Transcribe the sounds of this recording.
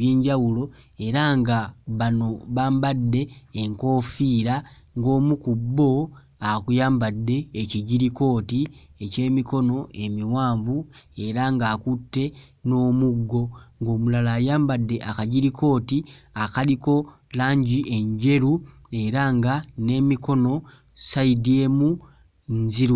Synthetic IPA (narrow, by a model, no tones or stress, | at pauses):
jeːɲɟawulo̞e̞ɾaŋɡaβano̞βaːmbadːe̞ːŋko̞ːfiːɾa | ŋɡo̞ːmukubːo̞ | akujaːmbadːe̞ːciɟiɾiko̞ːtiece̞ːmiko̞no̞e̞miwaːɱvue̞ɾaŋɡaːkutːe̞ | no̞ːmuɡːo̞ŋɡo̞ːmulalaːjaːmbadːe̞ʔakaɟiɾiko̞ːtiakaliko̞ | laːɲɟiʔe̞ɲɟe̞ɾu | e̞ɾaŋɡane̞ːmiko̞no̞ | saidie̞ːmu | nziɾ